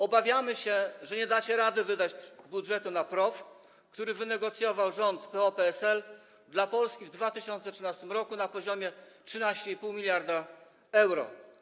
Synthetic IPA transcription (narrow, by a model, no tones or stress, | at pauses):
ɔbavʲjamɘɕɛʐɛɲɛd̪at͡ɕɛɾad̪ɘvɘd̪ad͡ʑbudʐɛt̪unapɾɔf | kt̪uɾɘvɘnɛɡɔt̪sjɔvawʐɔnt̪pɛɔpɛɛsɛl | d̪lapɔlskʲivd̪vat̪ɘɕɔnt̪sɛtʂɘnast̪ɘmɾɔkunapɔʑɔmʲjɛtʂɘnaɕt͡ɕɛipuwmʲilʲjaɾd̪a | ɛwɾɔ̰